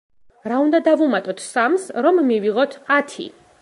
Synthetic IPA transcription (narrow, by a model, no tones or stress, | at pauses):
ɾaund̪ad̪avumat̪ʼɔt̪ʰsamsɾɔmːiviʁɔt̪ʰat̪ʰḭ